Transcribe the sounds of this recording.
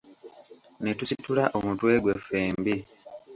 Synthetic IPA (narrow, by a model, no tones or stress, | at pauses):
netusitulaʔomutwe̞ːɡwefeːmbi